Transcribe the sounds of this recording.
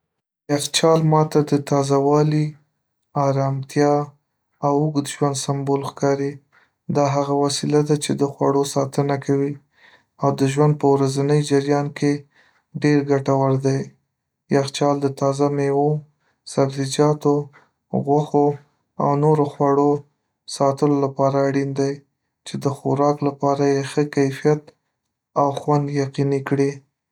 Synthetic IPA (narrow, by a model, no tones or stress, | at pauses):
jaxt͡ʃɑlmɑt̪ad̪ət̪ɑzawɑli | ɑɾɑmt̪jɑ | awʊɡd̪ʒwand̪sambolxkɑɾi | d̪ɑɦaɣawasilad̪at͡ʃed̪əxwa̰ɽosɑt̪ənakʰawi | awd̪əʒwand̪̚pəwɾazanəjd͡ʒɪɾjɑnkʰe | ɖeɾɡaʈawaɾd̪aj | jaxt͡ʃɑld̪ət̪ɑzamewo | sabzid͡ʒɑt̪o | ɣwaxo | a̰wnoɾoxwaɽo | sɑt̪əlolapɑɾaːɽind̪aj | t͡ʃed̪əxoɾɑklapɑɾajexəkajfijat̪ | awxwand̪jaqinikɽi